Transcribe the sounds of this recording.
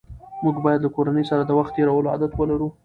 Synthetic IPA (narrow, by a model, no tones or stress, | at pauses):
muɡbɑjad̪lakoɾanəjsaɾad̪əwaxt̪̚ːeɾawəloa̰d̪at̪wəlaɾu